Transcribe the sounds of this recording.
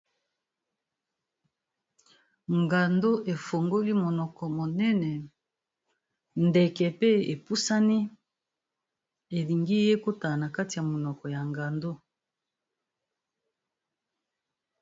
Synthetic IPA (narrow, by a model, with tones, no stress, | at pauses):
ŋɡa˨ndo˦ʔe˨fo˨ŋɡo˦li˦mo˨nɔ˨kɔ˨mo˨nɛ˦nɛ˨ | ndɛ˨kɛ˨pe˦e˨pu˦sa˦ni˦ | e˨li˨ŋɡi˦je˦ko˦ta˨na˨ka˦ti˨ja˨mo˨nɔ˨kɔ˨ja˨ŋɡa˨ndo˦